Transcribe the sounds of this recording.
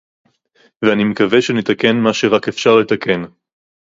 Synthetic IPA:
veanimekaveʃenet̪ake̞nmaʃeʁakefʃaʁle̞t̪akʰe̞n

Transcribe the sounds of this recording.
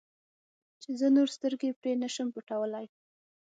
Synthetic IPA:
t͡ʃezənoɾst̪əɾɡepɾenəʃəmpəʈawəlaj

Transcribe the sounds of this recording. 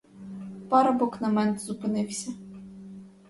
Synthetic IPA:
pɑɾɐbɔknɐmɛnt̪zʊpɪnɪwsʲɐ

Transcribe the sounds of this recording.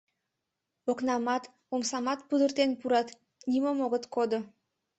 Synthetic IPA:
oknɑmɑt̪ | omsɑmɑt̪pud̪ərt̪enpuɾɑt̪ | nʲiməmoɣət̪kod̪o

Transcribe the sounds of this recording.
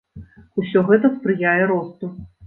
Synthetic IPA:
usʲɔɣɛt̪ɐspɾɨjajɛɾɔst̪u

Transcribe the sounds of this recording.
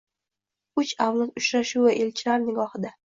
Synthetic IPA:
ʊt͡ʃawlˠat̪ʊʃɾaʃuvaʔe̞lt͡ʃʰɪlaɾnɪɡɒhɪd̪a

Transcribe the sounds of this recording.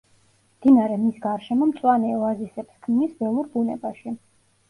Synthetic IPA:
md̪̥inaɾɛmisɡaɾʃɛmɔmt̪sʼwanɛɔazisɛpskʰmnisbɛlˠuɾbunɛbaʃi

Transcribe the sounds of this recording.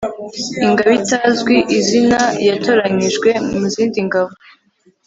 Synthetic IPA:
iŋɡaβitazɡwiʔizinajatʰo̞ɾaɲiʒɡwe̞muziːndiŋɡaβo

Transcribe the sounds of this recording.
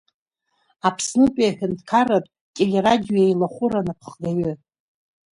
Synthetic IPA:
apʰsnɨpʼijaħᶣantʰkʰarapʼ | tʼelʲeradʲijojajlaχʷʊɾanapʰχɡaɥʏ

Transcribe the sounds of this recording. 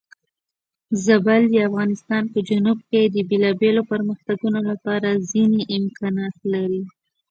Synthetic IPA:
zabald̪əafɣɑnɪst̪ɑnpəd͡ʒanub̚ked̪əbelɑbelopəɾməxt̪aɡunolapɑɾazineʔɪmkɑnɑt̪laɾi

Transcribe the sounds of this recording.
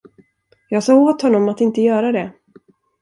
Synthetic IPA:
jɑːɡsɑːɡoːt̪hɔnːɔmat̪ɪnt̪əjœːɾad̪ɛ

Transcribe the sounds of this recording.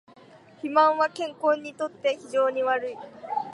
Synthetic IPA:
çimãɰ̃βakẽ̞ŋkõ̞ɲ̟ːit̪o̞t̪ːe̞çiʑo̞ːɲ̟iβaɾɯ̟i

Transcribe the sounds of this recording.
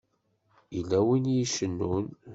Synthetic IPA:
ilːæwinjiʃənːun

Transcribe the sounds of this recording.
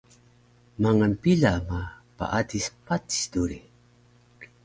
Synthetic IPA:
maŋanpiɮama | pa̰ʔadispati̥sduɾi

